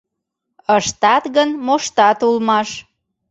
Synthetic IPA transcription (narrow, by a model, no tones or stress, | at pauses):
əʃt̪ɑt̪ɣənmoʃt̪ɑt̪ulmɑʃ